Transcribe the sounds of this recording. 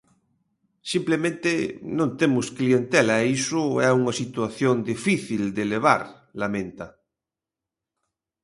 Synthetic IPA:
simplemẽnt̪enõnt̪emʊsklient̪ɛlaisʊɛuŋasit̪waθjond̪ifiθild̪eleβ̞a̰ɾ | lamẽnt̪a

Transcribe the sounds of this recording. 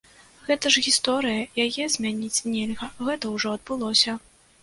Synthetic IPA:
ɣɛt̪ɐʐɣʲist̪ɔɾɨjɐjajɛzʲmʲanʲit͡sʲnʲɛlʲɣɐɣɛt̪ɐwʐɔɐd̪̚bɨlˠɔsʲɐ

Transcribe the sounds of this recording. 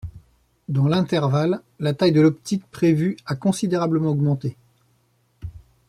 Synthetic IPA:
d̪ɑ̃lɛ̃t̪ɛʁvalː | at̪ajd̪əlɔpt̪ik̚pχevyakɔ̃sid̪eʁabləmɑ̃ɔɡmɑ̃t̪e

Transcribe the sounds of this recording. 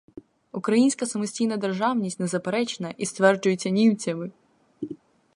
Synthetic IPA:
ukɾɐjinʲsʲkɐsɐmʊsʲtʲijnɐd̪e̞rʒɑwnʲisʲtʲnezɐpeɾɛt͡ʃenɐʔist̪ʋɛrd͡ʒʊjet͡sʲːɐnʲiwt͡sʲɐmɪ

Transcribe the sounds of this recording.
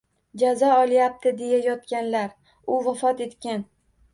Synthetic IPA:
d͡ʒazɒɒlˠjap̚t̪ʰɪd̪e̞jajɒt̪kʲanlaɾ | ʊvafɒt̪e̞t̪kʲan

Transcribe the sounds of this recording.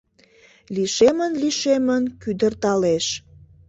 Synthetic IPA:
liʃemənliʃemənkyd̪ərt̪ɑleʃ

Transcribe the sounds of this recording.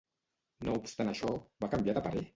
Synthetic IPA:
noupst̪anaʃɔβakambjaðapaɾe

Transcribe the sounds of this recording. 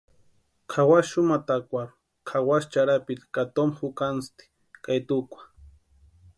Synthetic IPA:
kʰawasʃʊmat̪akʷaɾu̥ | kʰawast͡ʃaɾapit̪kat̪omxukanst̪i̥ | kajt̪ukʷḁ

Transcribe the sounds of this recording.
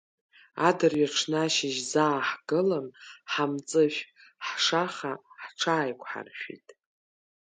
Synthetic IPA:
adɨrjaʈ͡ʂʰnaʃɪʒzaːħɡ̥ɨlanħamt͡sʼɨʃʷᶣħʂaχaħʈ͡ʂʰaːjkʷʰʼħa̰rʃᶣḭtʼ

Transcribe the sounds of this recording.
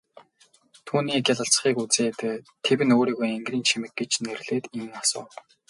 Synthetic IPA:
t̪ʰuːniːkjaɮə̆ɬt͡s̆χiːkut͡seːt̪t̪ʰewɘ̆noːɾiːɣujeŋɡriːnt͡ɕʰimɘ̆k̚ɡet͡ɕnerɮ̥eːt̪iŋasʊ̰ː

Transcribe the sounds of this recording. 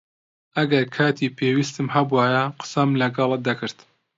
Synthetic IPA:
ʔɐɡɐɾkʰaːt̪ʰiːpʰeːwiːst̪ɨmhɐbwaːjɐqɨ̥sɐmlɐɡɑlˠɐd̪ɐkʰɨɾt̪

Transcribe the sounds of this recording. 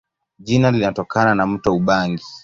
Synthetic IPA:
ʄinalinatɔkananam̩tɔuɓaŋɡi

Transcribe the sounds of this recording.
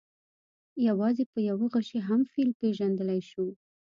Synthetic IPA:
jawɑzepəjawəɣəʃeɦamfilpeʒand̪əlajʃu

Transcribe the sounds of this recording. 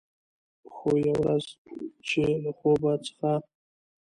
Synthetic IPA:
xojawɾazt͡ʃelaxobat͡sə̥xa

